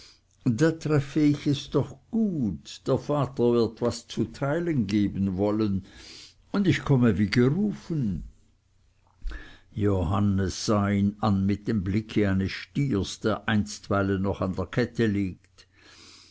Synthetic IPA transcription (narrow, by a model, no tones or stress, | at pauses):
daːtʁ̥ɛfəɪçɛsd̥ɔχɡ̥uːtd̥eːɐfaːtɐvɪɐtv̥ast͡sutʰaɪlənɡeːbən̩vɔlən | ʊndɪçkʰɔməviːɡəʁuːfən | johanəsz̥aːinanmɪt̚d̥emblɪkʰəaɪnəsʃtiːɐsd̥eːɐʔaɪnstvaɪlənɔχandeːɐkʰɛtʰəliːkt